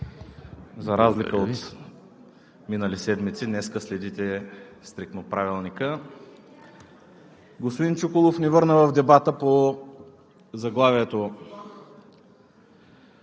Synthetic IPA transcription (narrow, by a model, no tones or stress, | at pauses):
zɐɾazlikəot̪ | minəlisɛd̪mit̪sid̪nɛskəslɛd̪it̪ɛst̪ɾik̚t̪nopɾavilˠnikə | ɡospod̪int͡ʃukolˠofnivɤɾnəvɐvd̪ɛbat̪əpo | zɐɡlˠaviɛt̪o